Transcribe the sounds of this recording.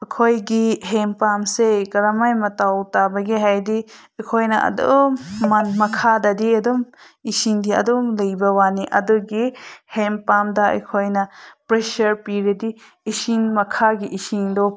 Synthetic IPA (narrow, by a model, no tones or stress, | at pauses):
ɐkʰojɡiɦempamsekɐɾɐmajmɐtawtabɐɡiɦajdi | ɐjkʰojnɐʔɐ̰do̰mɐnmɐkʰadɐdiɐdɔm | isiŋdiɐ̰dɔŋlɐjbɐwaniʔɐ̰dɔɡihempamdɐɐ̰jkʰojnɐpɾesɐɾpiɾedi | isinmɐkʰaɡiʔisiŋdɔ